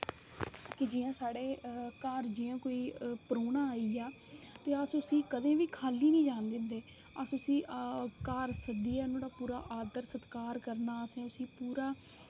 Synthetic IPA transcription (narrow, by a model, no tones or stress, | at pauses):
kɪd͡ʒiːãːsaːɽeːkaɾd͡ʒiːãːkoːiːpəɾoːnãːaːiːaː | t̪eːəsʊsĩːkəd̪ẽːʋiːkʰaːliːnĩːd͡ʒaːnd̪ɪ̃ːnd̪eː | əsʊsĩːʔkaːɾsəd̪iːɛːnõːɽaːpuːɾa̰ːʔaːd̪əɾsət̪kaːɾkəɾnaːəsẽːʊsĩːpuːɾaː